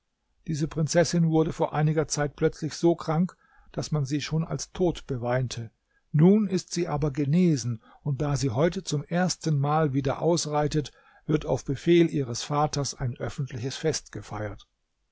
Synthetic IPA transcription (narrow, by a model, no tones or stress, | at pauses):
d̥iːzəpʁ̥ɪnt͡sɛsɪnvʊɐdəfoːɐʔaɪnɪɡɐt͡saɪt̚pʰlœt͡slɪçz̥oːkʁ̥aŋk | d̥asmanziːʃoːna̰lstʰoːtb̥əvaɪntʰə | nuːnɪstz̥iːʔaːbɐɡəneːzn̩ | ʊnt̚d̥aːziːɦɔʏtət͡sʊmʔeːɐstən̩maːlviːdɐ̰ʔa̰ʊsʁaɪtət | v̥ɪɐtaʊfb̥əfeːlʔiːʁəsfaːtɐsa̰ɪnʔœfn̩tʰlɪçəsfɛstɡ̥əfaɪɐt